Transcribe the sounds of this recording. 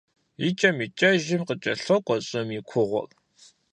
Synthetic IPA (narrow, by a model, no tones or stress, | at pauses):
it͡ʃʼɐmit͡ʃʼɐʒɪmqət͡ʃʼɐɬɔkʷʼɔɕʼɐmikʷʰʊʁʷʊ̰r